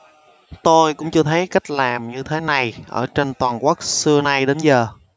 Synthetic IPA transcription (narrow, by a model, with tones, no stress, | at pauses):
t̪o˧jkʊ̰˧˥ŋ͡mt͡ɕɨ˧ət̪ʰə˨˦jka˦˥jk̟̚laː˨˩mɲɨ˧t̪ʰe˨˦na˨˩jʔə̰ː˧˩t͡ɕe˧nt̪waː˨˩nkwaː˦˥k̚sɨ˧əna˧jɗe˨˦nzəː˨˩